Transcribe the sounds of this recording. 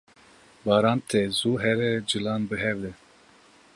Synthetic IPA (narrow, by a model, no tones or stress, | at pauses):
bɑːɾɑːnt̪ʰɛzuɦɛɾɛd͡ʒɨlɑːnbɨɦɛɾd̪ɛ